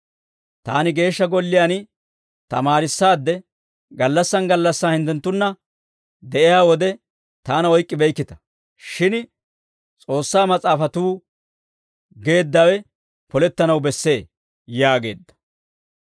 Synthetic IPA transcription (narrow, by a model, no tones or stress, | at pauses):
t̪aːnɪɡe̞ːʃːɐɡɔlːɪjaːn | t̪ɐ̰maːɾɪsːaːd̪ːɛ | ɡɐlːɐsːɐnɡɐlːɐsːaːhɪnt̪ːɛnt̪ːʊnːɐ | d̪ɛʔɪjaːwɔd̪ɛ | t̪aːnɐɔjkʼːɪbɛjkːɪt̪ɐ̥ | ʃɪn | t͡sʼo̞ːsːaːmɐt͡sʼaːfɐt̪uː | ɡe̞ːd̪ːɐwɛ | pɔlɛt̪ːɐnɐwbɛsːe̞ː | jaːɡe̞̰ːd̪ːɐ̥